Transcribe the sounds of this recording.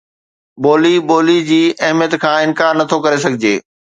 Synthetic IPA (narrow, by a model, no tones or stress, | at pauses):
boːliboːlid͡ʑiːɐɦmjət̪kʰãːɪ̃nkaːɾnːɐt̪ʰokɐɾesɐɡʱɪd͡ʑeː